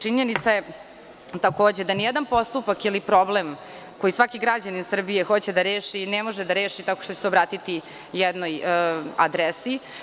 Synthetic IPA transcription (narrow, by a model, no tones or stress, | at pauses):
t͡ʃiɲenit̪saje | t̪ako̞ːd͡ʑed̪anijɛd̪anpo̞st̪upakilipɾo̞blem | ko̞jisʋakiɡɾad͡ʑaninsr̩bije̞xo̞t͡ɕed̪aɾeːʃinemo̞ʒed̪aɾeːʃit̪akoʃt̪ot͡ɕe̥seobɾaːt̪it̪i | jɛd̪noja̰d̪ɾesi